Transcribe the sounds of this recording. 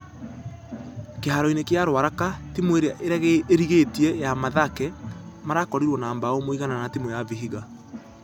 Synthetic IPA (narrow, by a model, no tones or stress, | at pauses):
keɦaɾɔinekjaɾwaɾakatimoeɾeaʔeɾɛɣeeɾiɣetiɛjamaðakɛmaɾakɔɾiɾwɔnaːmbaomoiɣananatimojaviɦiɣa